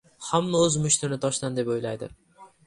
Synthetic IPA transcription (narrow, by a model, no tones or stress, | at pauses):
hamːaɵzmʊʃt̪ʰɪɾnɪt̪ʰɒʃd̪and̪e̞pojlˠajd̪ɪ̰